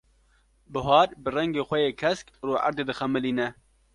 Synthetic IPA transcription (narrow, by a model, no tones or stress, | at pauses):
bɨɦɑːɾbɨrɛŋɡeːxʷɛjeːkʰɛskruːʔa̰ɾd̪eːd̪ɨxɛmɨliːnɛ